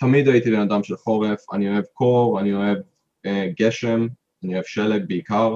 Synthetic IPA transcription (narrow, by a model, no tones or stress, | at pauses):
t̪amid̪ait̪ibenad̪amʃelχo̞ʁefa̰nioe̞vkʰo̞ʁanio̞e̞v | ɡe̞ʃem | anioevʃe̞lek̚beikaʁ